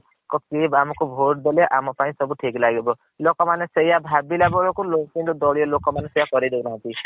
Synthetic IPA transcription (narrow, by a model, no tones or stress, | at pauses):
kɔkibamɔkubʱoʈd̪eleʔamɔpaĩsɔbuʈʰiklaɡebɔ | lokɔmanesejabʱabilabɔɭɔkulokinɾud̪ɔɭijɔlokɔmanesejakɔɾid̪enaɦɔ̃nt̪i